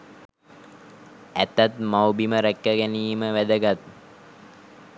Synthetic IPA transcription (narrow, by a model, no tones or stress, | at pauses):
æt̪at̪mawbiməɾækːəɡæniːməʋæd̪əɡat̪̚